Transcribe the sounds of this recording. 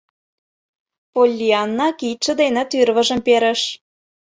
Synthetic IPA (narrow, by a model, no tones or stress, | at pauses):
polʲːiɑnːɑkiʃə̆d̪enet̪yrβə̆ʒə̆mpeɾə̆ʃ